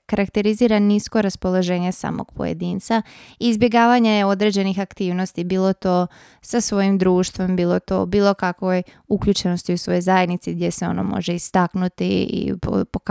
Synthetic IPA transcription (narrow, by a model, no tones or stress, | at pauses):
kaɾakt̪e̞ɾiziːɾanisko̞ɾaspo̞lˠoʒe̞ːɲesa̰ːmo̰ɡ̥̚po̞̰jḛd̪iːnt̪saizbje̞ɡaːʋaɲejeo̞d̪ɾe̞d͡ʑe̞nixakt̪iːʋno̞st̪ibiːlˠo̞t̪o̞ː | sasʋo̞jimd̪ɾuːʃt̪ʋo̞mbiːlˠot̪o̰ːbiːlˠo̞kakʋo̞j | ukʎuːt͡ʃe̞no̞st̪iusʋo̞jozajed̪nit̪siɡdje̞seo̞̰no̞̰mo̰ʒe̞ist̪aknut̪ḭḭpo̰pok